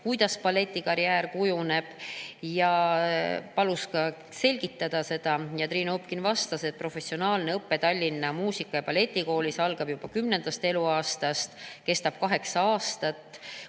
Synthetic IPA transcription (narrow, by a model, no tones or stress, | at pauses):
kujd̪ɑspɑle̞t̪ʲːˑikɑɾjæːɾkujune̞b̥jɑ | pɑluskɑ | se̞lʲɡ̥it̪ˑːɑd̪̥ɑse̞d̪̥ɑjɑt̪ɾiːnoopkinvɑst̪ɑset̪̚pro̞fe̞sio̞nɑːlne̞ɤpːe̞t̪ɑlʲːinːɑmuːsikːˑɑjɑpɑle̞t̪ʲːˑiko̞ːlʲisɑlɡ̥ɑb̥jub̥ɑkymnend̪̥ɑst̪e̞luɑːst̪ɑst̪ke̞st̪ɑb̥̚kɑɦe̞ksɑɑːst̪ɑt̪ːˑ